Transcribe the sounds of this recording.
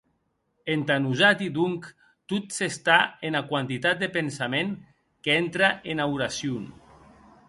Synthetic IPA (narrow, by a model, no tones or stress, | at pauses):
ent̪anuzat̪id̪uŋk | t̪ut̪sest̪aenakwant̪it̪at̪̚d̪epensameŋ | keent̪ɾaʔenawɾasjun